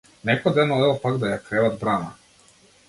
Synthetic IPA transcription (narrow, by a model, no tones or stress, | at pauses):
nɛkɔjd̪ɛnɔɛɔpaɡd̪ajakɾɛvad̪bɾana̰